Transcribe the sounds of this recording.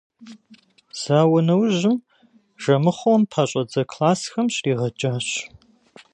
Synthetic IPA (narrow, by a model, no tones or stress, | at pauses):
z̥aːwɐnɐwʑɪm | ʒ̥ɐmɨχʷʊɐmpʰaːɕʼɐd͡zɐkʰlaːsxɐmɕriːʁɐd͡ʒʼaːɕ